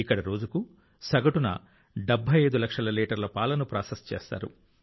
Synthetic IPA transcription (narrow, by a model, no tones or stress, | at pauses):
ikːɐɽɐɾo̞ːd͡ʒuku | sɐɡɐʈunɐ̰ | ɖebʱːɐjɐjd̪ulɐkʂɐlɐliːʈɐɾlɐpaːlɐnupɾaːsest͡ʃḛːst̪a̰ːɾṵ